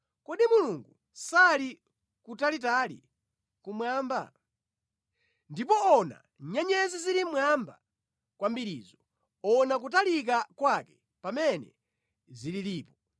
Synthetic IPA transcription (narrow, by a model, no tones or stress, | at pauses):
kɔɗimuluŋɡu | sali | kutalit̬alḭ | kumwaːmba̰ | ndipɔɔna̰ | ɲɛɲɛzizilimwamba | kwambiɾḭːzɔ | ɔnak̬utalik̬akwakɛ̥ | pamɛnɛ̰ | zililiːpɔ